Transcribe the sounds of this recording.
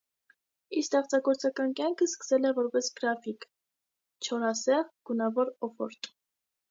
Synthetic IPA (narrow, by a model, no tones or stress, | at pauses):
ist̪ɛχt͡sɑɡɔɾt͡sɑkɑnkjɑŋkʰəskə̥sɛlɛvɔɾpɛsɡ̥ɾɑfik | t͡ʃʰɔɾɑsɛʁɡ̥unɑvɔɾɔfɔ̰ɾt̪